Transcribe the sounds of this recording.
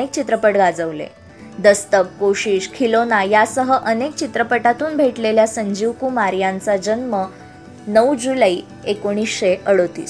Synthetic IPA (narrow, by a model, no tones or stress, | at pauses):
ek̚t͡ɕit̪ɾəpəʈɡad͡zəʋlḛ | d̪əst̪əkːoɕiːɕkʰilonajasəɦəʔənek̚t͡ɕit̪ɾəpəʈat̪uːnbʱeʈleljasəɲd͡ʑiʋkumaɾjant͡sad͡ʑənmə | nəwd͡ʑuləi | ekoɽ̃isɕeʔəɽot̪ḭːs